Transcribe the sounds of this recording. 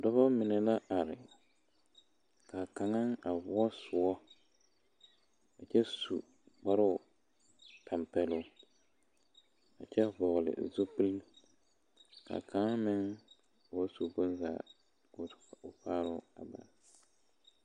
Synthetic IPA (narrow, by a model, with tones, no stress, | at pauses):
dɔ˦bɔ˦mɪ˨nɛ˨la˦ʔa˨ɾɪ˨ | kʰa˨ka˨ŋa˦ŋa˨vʊ˦ɔ˦sʊ˨ɔ˦ | a˨t͡ʃɛ˦su˨ | ɡ͡ba˦ɾʊ˦˨ | tʰa˨mpɛ˦lʊ˦ | a̰˨t͡ʃɛ˦vɔ˨ɣlɪ̰˨zo˦pi˦li˦ | ka̰˨kʰa˨ŋa˦mɪ˦ŋ˨ | wa˦su˨bo˦n˦za̰˨ | ko˦˨ʊ˨paː˦ɾʊ˦a˨ba̰˨l